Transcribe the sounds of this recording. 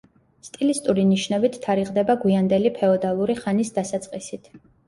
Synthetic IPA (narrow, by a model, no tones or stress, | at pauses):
st̪ʼilist̪ʼuɾiniʃnɛbit̪ʰːaɾiʁʼd̪ɛbaɡwiand̪ɛlipʰɛɔd̪alˠuɾiχanisd̪asat̪sʼqʼisit̪ʰ